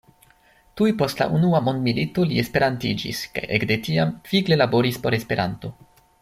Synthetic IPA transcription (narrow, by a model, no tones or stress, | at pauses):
tujpo̞stla̰ʔunuamo̞nd̪milito̞lie̞spe̞ɾantid͡ʒḭska̰jʔekde̞tiamfiɡle̞labo̞ɾispo̞ɾe̞spe̞ɾʔa̰nto̞